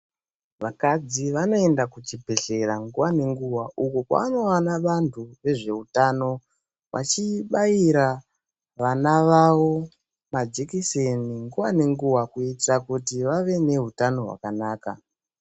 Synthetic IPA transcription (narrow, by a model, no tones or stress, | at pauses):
ʋakad͡ziʋano̞e̞ndakut͡ʃibʱeɬe̞ɾaŋɡuwane̞ŋɡuwaʔukukwa̰ano̞wanaʋantʰuʋe̞ʐe̞utano̞ | ʋa̰t͡ʃiɓaiɾa | ʋanaʋawo̞ | mad͡ʒikiseniŋɡuwane̞ŋɡuwakuitakutiʋaʋe̞ne̞ɦutano̞ɦwa̰kanaːka̰